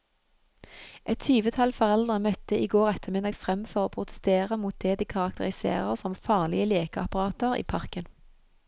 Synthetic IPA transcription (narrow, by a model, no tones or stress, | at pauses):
ʔɛt̪tʰyːʋət̪ʰɑlfɔʁɛld̪ʁəmœt̪ːəʔiːɡoːʁɛt̪ʰəʁmɪd̪ɑɡfʁɛmfɔʁoːpʰʁʊt̪ɛ̥st̪eːʁəmuːt̪̚d̪ɛːd̪iːkʰɑʁɑk̚t̪ʰəʁɪsḛːʁə̰ʁsɔmfɑːʁlɪəleːkəɑpɑʁɑːt̪əʁḭːpʰɑʁkən